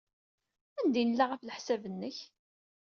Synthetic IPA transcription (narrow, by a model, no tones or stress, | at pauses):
ænd̪inəlːaʁæfləħsævənːəç